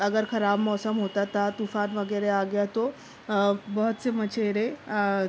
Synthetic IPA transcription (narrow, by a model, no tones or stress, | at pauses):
əɡəɾkʰɐɾaːbmɔːsəmɦoːt̪at̪at̪ufanʋəɡəɾeaːɡjat̪o | bəɦut̪semət͡ɕʰeɾe